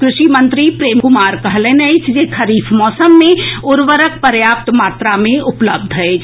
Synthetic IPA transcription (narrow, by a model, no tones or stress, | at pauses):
kɾʊʃimə̃nt̪ɾipɾeːmkʊmaːɾkəɦlẽnəɪt͡ʃʰd͡ʒekʰɐɾiːfʰmɔːsəmːẽʊɾʋəɾək̚pəɾjaːp̚t̪maːt̪ɾamẽʊpləb̚d̪ʱɦɛet͡ʃ